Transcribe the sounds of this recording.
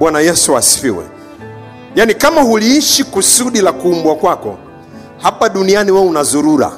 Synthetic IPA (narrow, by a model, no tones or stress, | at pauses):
wanajɛsuasi̥fḭwɛ̰ | janikamahuliiʃikusuɗilakuːmbwakwakɔ̰ | hapaɗunianiwaunazuɾuɾa̰